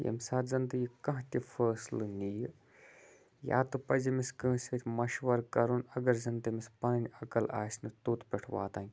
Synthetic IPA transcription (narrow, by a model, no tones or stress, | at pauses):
jḛmsaːt̪zɐnd̪ɐɡikɐɦtʲifəːslɨnijɨ | ja̰ːt̪ɨpɐzɐmiskɨ̃ːsʲet̪ʲmɐʃʋɐɾkɐɾunɐɡɐɾzɐnt̪ɐmispɐnɐnʲɐkɐla̰ːsʲnɨt̪uːt̪pʲɛʈʰʋa̰ːt̪aːŋʲ